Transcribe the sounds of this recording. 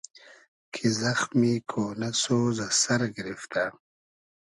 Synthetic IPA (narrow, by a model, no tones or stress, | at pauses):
kʰizaxmikʰoːnasozasɐɾɡɾift̪a